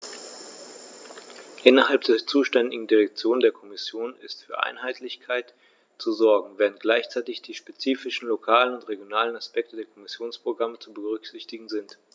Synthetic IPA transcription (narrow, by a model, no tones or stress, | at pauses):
ʔɪnɐɦalpd̥eːɐt͡suːʃtɛndɪɡŋ̩diʁɛk̚t͡sjoːndeːɐkʰɔmɪsjoːnɪ̰stfyːɐʔa̰ɪnɦaɪtʰlɪçkʰaɪt | t͡suzɔɐɡŋ̩veːʁ̞ənt̚ɡ̥laɪçt͡saɪtɪçd̥iːʃpet͡siːfɪʃn̩lokʰaːlənʊntʁeɡjonaːlənaspɛktədeːɐkʰɔmɪsjoːnspʁ̥oɡʁamət͡subəʁʏkz̥ɪçtɪɡŋ̩zɪnt